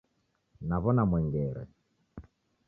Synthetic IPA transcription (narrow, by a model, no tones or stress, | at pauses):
naβɔnamwɛŋɡɛɾɛ̰